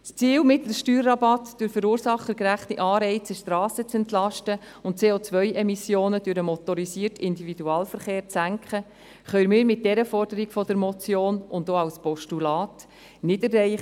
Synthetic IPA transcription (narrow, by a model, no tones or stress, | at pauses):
st͡siːlmɪtləʃtyːrːɑbɑtd̥øɾfəɾuːɾsɑχːəkɾæχtiʔɑːɾɛɪt͡sɛʃtɾɑːsət͡sɛntlɑʃtə | ʊnt̚t͡seːot͡sʋœʏʔɛmisjoːnəd̥øɾəmɔt̪ɔɾisiːərtɪndividuɑːlfəɾχeːɾt͡sæŋkχə | χœʏɾmɪːɾmɪt̚d̥ɛɾəfɔrd̥əɾiɡ̥fɔdəɾmɔt͡sjoːnʊndoɑwspɔʃtulɑːt | nɪdərːɛɪχ